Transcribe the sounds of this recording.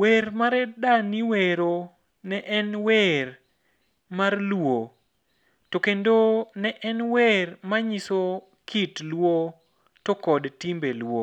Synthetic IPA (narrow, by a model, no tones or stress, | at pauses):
weɾmaɾɛdaniweɾo | nɛʔɛnwer | marlwo | tokendonɛʔɛnwermaɲiso | kʰitlwo | tokɔdtimbelwo